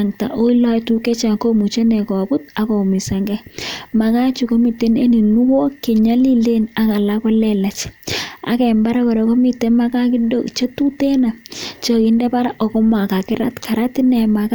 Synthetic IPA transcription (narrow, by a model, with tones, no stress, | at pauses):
ŋta̰˨ʔo˦i˦lɔ˦jtu˦kɛ˦t͡ʃa˨ko˦mu˨t͡ʃe˦nɛ˨kɔ˨bu˦t̚a˨ko˨mi˨sa˨ŋɡɛ˦ma˨ka˦t͡ʃu˨ko˦mi˨te˦ne˦ni˨nu˦wo˦ke˨ɲa˦li˦le˦na˨ka˨la˦kɔ˦lɛ˦la˨t͡ʃa̰˨kɛ˨mba˦ɾa˦ko˨ɾe˨ko˦mi˨te˦ma˦ka˦kɪ˦do˦˨kt͡ʃe˦tu˦te˦na˨t͡ʃo˨kindɛ˦pa˦ɾaʔɔ˨kɔ˦mwa˨ka˨kɪ˦ɾa̰˦tka˨ɾa˦ti˦nɛ˨ma˨k